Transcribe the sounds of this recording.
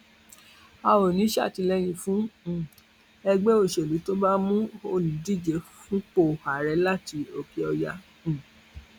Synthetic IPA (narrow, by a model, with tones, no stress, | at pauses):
a˧wo˨nĩ˨˦ʃa̰˦˨ti˨˧lɛ˦j̃ĩ˧fũ˦˨ | ɛ˧ɡ͡be˦o˦˨ʃe˨lu˨˦to˦ba˦mũ˦o˧nĩ˨di˦˨d͡ʒe˨˦fũ˦k͡po˦˨a˨ɾɛ˨˧˦la˦ti˧˦o˨ki˨˧ɔ˧jã˧˨